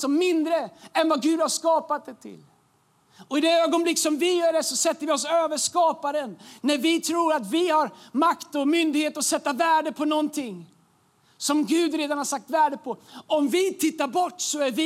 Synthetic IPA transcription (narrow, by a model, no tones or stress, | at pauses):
sɔmːɪnd̪ɾəɛnvaɡʉ̟ːd̪haʂkɑːpat̪̚d̪ɛt̪ʰɪ̰l | ɔɪd̪ɛøːɡɔnblɪkːsɔmvɪjœːɖɛsɔsɛt̪ːəɾvɪɔs̬øːvəʂkɑːpaɾənːæɾvɪt̪ʰɾuːɾat̪vɪhaɾmakt̪ɔmʏnd̪ɪɡheːt̪əɔsɛt̪ːavæːɖəpʰɔnɔnt̪ʰɪŋ | sɔmɡʉ̟ːd̪ɾeːd̪anhaɾʂsak̚t̪væːɖəpʰɔɔmvɪt̪ʰɪt̪ːaɾbɔʈːsɔæɾvɪ